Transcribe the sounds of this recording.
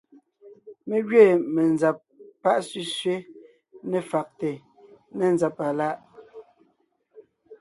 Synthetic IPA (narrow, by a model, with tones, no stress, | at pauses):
me˦ɡɥe˦˨mɛ˨nza˨p̚ː | a˦˨ʔsʉ˦sɥe˦ | nɛ˨fa˨k̚te˨ | nɛ˨nza˨pa˨la˦ʔ